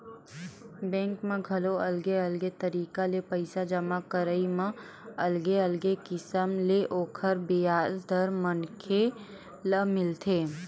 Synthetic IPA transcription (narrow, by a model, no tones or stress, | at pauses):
bɛ̃ːŋkmẽɡʱɐloɐlɡeəlɡet̪əɾiːkalepəɪsad͡ʒəmakəɾəimã | ɐlɡeəlɡekɪsəmleʔoːkʰəɾbiaːzd̪ʱəɾmənkʰe | ləmɪlt̪ʰeː